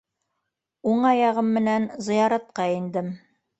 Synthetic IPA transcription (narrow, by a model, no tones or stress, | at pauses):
uɴɑjɑʁɤmːɘ̆nænzɤ̆jɑɾɑt̪̚qɑind̪ɘm